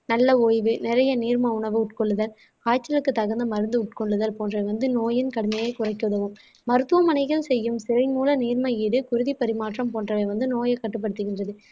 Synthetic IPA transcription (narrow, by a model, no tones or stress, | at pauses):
nɐlːɐoːjʋɯnɪɾɐjɐniːɾmɐʊɳɐʋɯʊʈkɔɭːɯðɐl | kaːt͡ʃːɐlɯkːɯt̪ːɐɣɐnd̪ɯmɐɾɯnd̪ɯʊʈ̚kɔɭːɯðɐlpoːndrɐʋɐnd̪ɯnoːjɪnkɐɽɯmɐjɐɪkʊrɐɪkːɯɯðɐʋɯmː | ɐɾɯt̪ːɯʋɐmɐnɐɪɣɐɭsɛjːɯmsɪɾɐɪnmuːlɐniːɾmɐjiːɽɯkʊɾɯðipɐɾɪmaːʈrɐmpoːndrɐʋɐɪʋɐnd̪ɯnoːjɐkːɐʈːɯp̬ːɐɽɯt̪ːɯɣɪndrɐðɯ